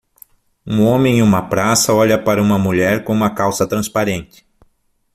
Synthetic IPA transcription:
ũõmẽũmɐpɾasɐɔʎɐpaɾɐũmɐmuʎɛɾkõũmɐkawsɐt̪ɾɐ̃spaɾẽnt͡ʃ̪ɪ̥

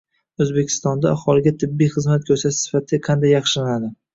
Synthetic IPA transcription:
ɵzbe̞kʲʰɪ̥st̪ɒnd̪aːhɒlɪɡʲat̪ʰɪbːijχɨzmat̪̚kʲʰɵɾsasɪ̥fat̪ʰɪqʰɑnd̪ajːɑχʃɪlanad̪ɪ

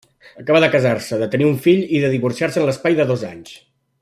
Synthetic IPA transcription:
əkaβəðəkəzarsəðət̪əniuɱfiʎiðəðiβursiaɾsənləspajðəðoza̰ɲs

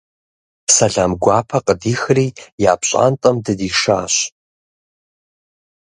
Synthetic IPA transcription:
sɐɮaːmɡʷaːpʰɐqʼədiːxriːjaːpɕʼa̰ːntʼɐmdɨdiːʂaːɕ

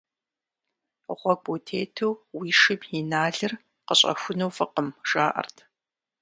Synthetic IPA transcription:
ʁʷɔɡ͡boːtʰeːtʰuwwiːʂɨbinaːɮɨr | qəɕʼɐ̰xʷʊnɐwfɨqəmʒ̥aːʔɐ̰rtʰ

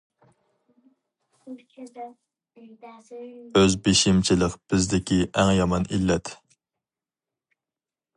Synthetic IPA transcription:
øzbeʃimt͡ʃʰilɪqb̥ɪzd̪ɪkʲʰiʔæŋjɑmɑnilːɛt̪

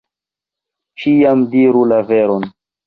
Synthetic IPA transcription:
t͡ʃijamdiɾulaveɾon

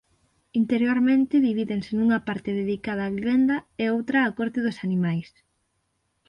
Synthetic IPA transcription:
int̪eɾjoɾmẽnt̪ɪðiβiðeŋsɪnuŋɐpaɾt̪ɪðeðikaðɐaːβiβend̪ɐeowt̪ɾɐːkɔɾt̪ɪð̞ʊsanimajs

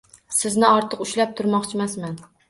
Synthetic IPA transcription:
sɪznɪɒɾt̪ʰɨqʊʃlap̚t̪ʰʊɾmɒχt͡ʃʰɪmasman

